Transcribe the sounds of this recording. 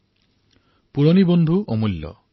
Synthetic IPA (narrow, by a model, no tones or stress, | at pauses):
puɾɔnibɔnd̪ʱuʔɔmulːɔ̰